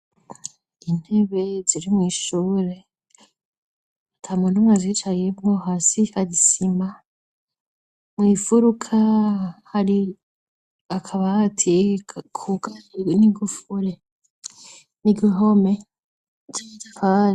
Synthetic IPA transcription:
in̥he̞βe̞ziɾimŋiːʃuːɾe̞ | atʰamundumŋazit͡ʃajemŋoɦasihaɟisima | mwiːfuɾukʰahaɾi | akʰaβaːtʰikʰukaniɡufuɾe | niɡiɦome | zazaka

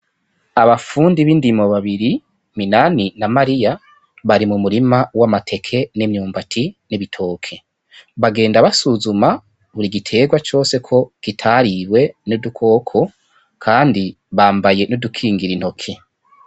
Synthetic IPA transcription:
aβafuːndiβindimo̞βaβiɾi | minaninamaɾija | βaɾimumuɾimawamatʰe̞kʰe̞nemɲuːmbatʰiniβitʰo̞ːkʰe̞ | βaɡe̞ːndaβasuzuma | βuɾiɡitʰe̞ɡwat͡ʃo̞ːse̞kʰo̞ɡ̥itʰaɾiwe̞nudukʰo̞ːkʰo̞ | kʰaːndi | βaːmbaje̞nodukʰiːŋɡiɾin̥ho̞kʰi

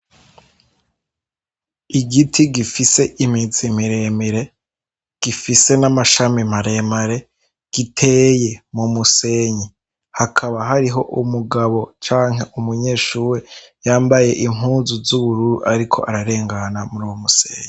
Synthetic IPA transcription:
iɡitʰiɡifise̞ʔimizimiɾe̞miɾe̞ | ɡ̥ifise̞namaʃamim̥aɾe̞maɾe̞ | ɡ̥itʰe̞je̞mumuse̞ɲi | hakʰaβaɦaɾiɦo̞ʔumuɡaβo̞t͡ʃaːŋ̥ɦe̞ʔumuɲe̞ːʃuːɾejaːmbaje̞ʔimuːnzuzuβuɾuɾṵʔaɾikʰo̞̰ʔaɾaɾe̞ːŋɡanamuɾuwomusḛːɲi

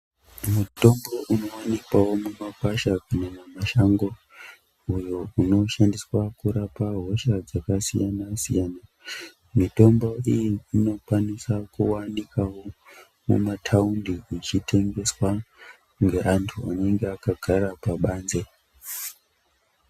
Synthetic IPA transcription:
muto̞mbo̞ʔuno̞wanikwawo̞mumakwaʃakanemamaʃaŋɡo̞ | ujouno̞ʃandiswakuɾapaɦo̞ʃad͡zakasḭjanasḭjaːna | mito̞mbo̞ijiino̞kwanisakuwanikawo̞ | mṵmatʰaundiit͡ʃitʰe̞ŋɡe̞swa | ŋɡe̞ʔantʰuane̞ŋɡeakaɡʱaɾapaɓaːnze̞

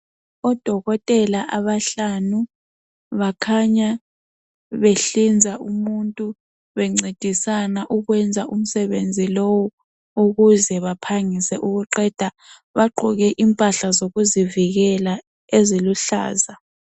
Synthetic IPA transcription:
ɔd̥ʱɔɣɔtʼɛlaʔaβaɬanu | βakʰaɲa | βeɬind͡zʱaʔumuntʼu | βɛŋ͡ǀed̥ʱisanaʔuɣwɛnd͡zʱaʔum̩sɛβend͡zʱilowɔ | uɣuzɛβapʰaŋisɛʔuɣuǃɛd̥ʱa | βaɡ͡ǃʱɔɣɛʔimpʼaɬazoɣuziviɣɛla | eziluɬa̰ːza

